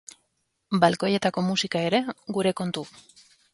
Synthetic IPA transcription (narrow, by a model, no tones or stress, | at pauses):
balko̞je̞t̪ako̞musikae̞ɾe̞ɡuɾe̞ko̞nt̪u